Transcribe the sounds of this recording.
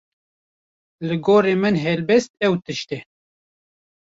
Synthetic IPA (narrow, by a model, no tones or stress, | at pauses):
lɨɡoːɾeːmɨnɦɛlbɛst̪̚ɛwt̪ɨʃt̪ɛ